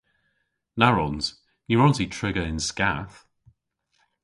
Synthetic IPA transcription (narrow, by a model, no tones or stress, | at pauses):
naɹɔnz̥ | jəɹɔ̃ntitʰɹ̥ɪɡəɪ̃nskaθ